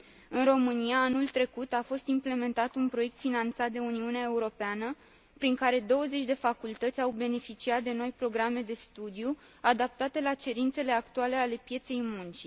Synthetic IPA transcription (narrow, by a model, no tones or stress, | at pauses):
ɨnro̞mɨniaːnult̪ɾe̞kut̪afo̞st̪imple̞me̞nt̪at̪unpɾo̞je̞k̚t̪finant̪sat̪̚d̪e̞uniuneae̞uɾo̞peanə | pɾiŋkaɾe̞d̪o̞wəze̞t͡ʃʲd̪e̞fakult̪ət̪sʲawbe̞ne̞fit͡ʃiat̪̚d̪e̞no̞jpɾo̞ɡɾame̞d̪e̞st̪ud̪iju | ad̪ap̚t̪at̪e̞lat͡ʃe̞ɾint̪se̞le̞akt̪uale̞ale̞pje̞t̪se̞jmunt͡ʃi